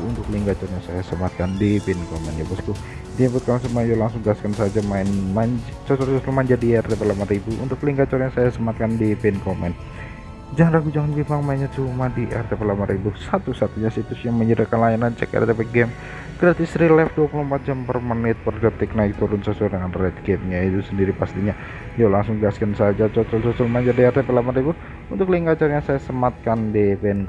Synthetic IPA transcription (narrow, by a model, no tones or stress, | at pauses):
unt̪ʊkliŋɡat͡ʃɔrɲasajasəmat̪̚kandipinkomɛnjabasku | diabut̪̚kansəmad͡ʒolaŋsʊŋɡaskansad͡ʒamaɪnmaɲd͡ʒt͡ʃasɔrt͡ʃɔsɔmaɲd͡ʒadiɛrt̪ɛpɛlamaribuʔṵnt̪ʊkliŋɡat͡ʃɔrɲasajasəmat̪̚kandipɪnkomɛn | d͡ʒaŋnraɡud͡ʒaŋand͡ʒimaŋmainɲat͡ʃumadiʔɛ̰rt̪ɛpɛlapanribusat̪usat̪uɲasit̪ʊsjaŋməɲədakanlajanant͡ʃɛ̰kɛ̰rt̪ɛpɛɡɛm | ɡ̥ɾat̪isɾilɛfduapuluəmpat̪̚d͡ʒampərmənɪt̪̚pərdət̪ɪk̚naik̚t̪uɾʊnsaswɛrdəŋanrɛt̪̚ɡɛmɲait̪usəndiɾipast̪iɲa | jalaŋsʊŋɡəaskansad͡ʒat͡ʃɔt͡ʃɔlt͡ʃɔt͡ʃɔlmaɲd͡ʒardiɛrt̪ɛpɛlapanribu | unt̪ʊk̚liŋkat͡ʃarjaŋsajasəmat̪̚kandipen